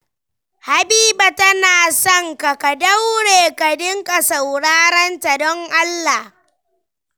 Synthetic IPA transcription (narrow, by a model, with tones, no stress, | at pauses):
ha˨biː˦ba˨tɐ˦naː˨sɔ˦ŋka˨ka˨dɐ˦wɽeː˨ka˨dɪ˦ŋkʼa˨sa˨wɽaː˦ɾɐ˦nta˨dɔ˦ŋʔa˦lːa˨h